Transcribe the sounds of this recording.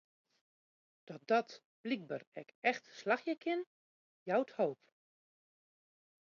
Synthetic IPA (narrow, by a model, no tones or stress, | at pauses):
d̥ɔt̚d̥ɔt | b̥lik̚bərɛkɛxtslaxjəkʰɪn | jawthoːp